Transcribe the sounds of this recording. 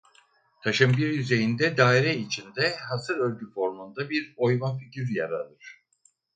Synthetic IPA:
t̪ʰaʃɯmbiɾjyze̞jind̪ɛd̪aːiɾɛit͡ʃʰind̪ɛɦasɯɾø̞lʲɟyfo̞ɾmund̪abiɾo̞jmanficiɾja̰ɾa̰lˠɯɾ̥

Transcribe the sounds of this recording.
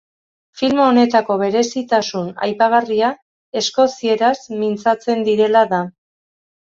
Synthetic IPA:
filmone̞t̪ako̞βe̞ɾe̞sit̪asuna̰jpaɣ̞aria | e̞sko̞sie̞ɾasmint͡sat͡se̞nd̪iɾe̞laða

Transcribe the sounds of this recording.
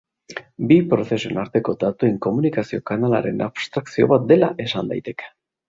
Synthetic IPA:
bipɾo̞θe̞sue̞naɾt̪e̞ko̞d̪at̪ueŋko̞munikasio̞kanala̰ɾe̞̰naβst̪ɾaksio̞̰βat̪̚d̪e̞laʔe̞sand̪a̰jt̪e̞ke̥

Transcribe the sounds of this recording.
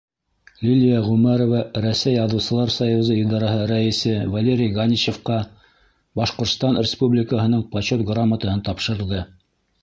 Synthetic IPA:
lʲilʲijaʁʉmæɾovɑɾæsæjɑðɤ̆wsɤ̆lˠɑɾsɑjuzɤid̪ɑɾɑhɤɾæĭsɘvɐlʲeɾʲɪjɡanʲit͡ɕefqɑ | bɑʃqŏɾt̪st̪ɑnrʲɪspublʲɪkəɦɤ̆nɤɴpɐɕot̪ɡramət̪ɤ̆hɤnt̪ɑpʃɤ̆ɾɤ̆lˠd̪ɤ

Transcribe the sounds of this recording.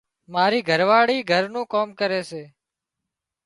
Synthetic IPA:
maːɾiːɡʱəɾʋaːɽiːɡʱəɾnũːkoːmkəɾeːseː

